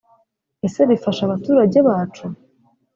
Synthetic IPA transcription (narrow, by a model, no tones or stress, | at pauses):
e̞se̞βifaʃaβatuːɾaɟe̞βaːt͡ʃu